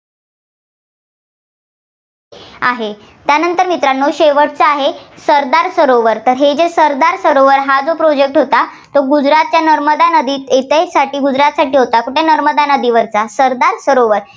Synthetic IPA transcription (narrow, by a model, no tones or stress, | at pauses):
a̰ɦe | t̪janənt̪əɾmit̪ɾanːoɕeʋəʈt͡səaɦesəɾd̪aɾsəɾoʋəɾt̪əɾɦed͡ʑesəɾd̪aɾsəɾoʋəɾɦad͡zopɾod͡ʑek̚ʈɦot̪a | t̪oɡud͡zɾat̪̚t͡ɕjanəɾməd̪anəd̪iːet̪əjsaʈiːɡud͡zɾat̪saʈiːɦot̪akuʈenəɾməd̪anəd̪iʋəɾt͡sasəɾd̪aɾsəɾoʋəɾ